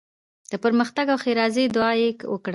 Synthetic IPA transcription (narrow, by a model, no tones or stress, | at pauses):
d̪̥əpəɾməxt̪aɡawxeɾɑzed̪ʊɑjekwəkɽ